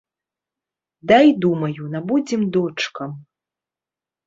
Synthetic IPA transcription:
d̪ajd̪umɐjunabud͡zʲimd̪ɔt͡ʂkɐm

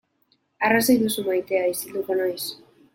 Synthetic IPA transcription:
arasojðusumajt̪e̞aisild̪uko̞nojs

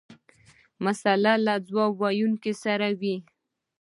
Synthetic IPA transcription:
masalalad͡zwɑwɑjunkesaɾawi

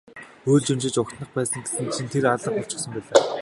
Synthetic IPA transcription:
oːɮt͡ɕemʃɪ̆t͡ɕʊkt̪nə̆χpæːsə̆ŋɡe̥tɘ̆nt͡ɕʰint̪ʰeɾaɮə̆χɔ̥t͡ɕɪ̥̆χsə̆mpæːɮaː

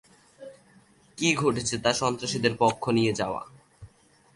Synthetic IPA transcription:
kiɡʱoʈet͡ɕʰet̪aʃɔnt̪ɾaʃid̪eɾpɔkʰːonijed͡ʑaoa̰

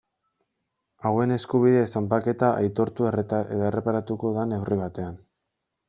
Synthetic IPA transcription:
awe̞ne̞skuβ̞iðesampake̞t̪aʔa̰jt̪o̞ɾt̪ueret̪aeðoere̞paɾat̪uko̞ðane̞wriβ̞at̪e̞an

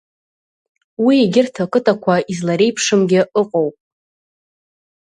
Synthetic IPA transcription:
wieɡʲɪrtʰakʼɨtʼakʷʰaizlaɾe̞jpʰʂɨmɡʲɪʔɨqʼowpʼ

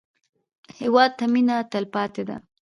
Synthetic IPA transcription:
hewɑd̪̚t̪ːaminat̪əlpɑt̪ed̪a̰

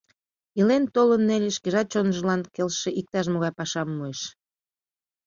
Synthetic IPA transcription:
ilent̪olənːelʲeʃkeʒɑt͡ɕonʒəlɑnkelʃeʔik̚t̪ɑʃ̬moɣɑjpɑʃɑmːueʃ

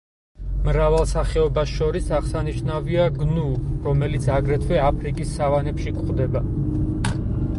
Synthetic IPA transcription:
mɾavalˠsaχɛɔbasʃɔɾisaʁsaniʃnaviaɡnuɾɔmɛlit̪sʰaɡɾɛt̪ʰwɛapʰɾikʼisːavanɛpʃikʼχʼd̪ɛba

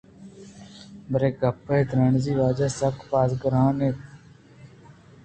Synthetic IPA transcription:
bəɾeːɡəpːeːd̪ɾəɳziːʋaːd͡ʒaːsəkpaːzɡəɾãːneːt̪

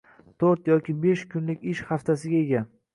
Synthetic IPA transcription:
t̪ʰoɾt̪jɒkʲɪbeʃkʰʊnlɪkʲɪʃhaft̪ʰasɪɡʲae̞ɡʲa

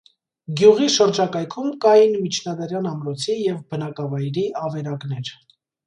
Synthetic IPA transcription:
ɡjuʁiʃəɾd͡ʒɑkɑjkʰumkɑjinmit͡ʃʰnɑd̪ɑɾjɑnɑmɾɔt͡sʰijɛvbənɑkɑvɑjɾiɑvɛɾɑknɛɾ

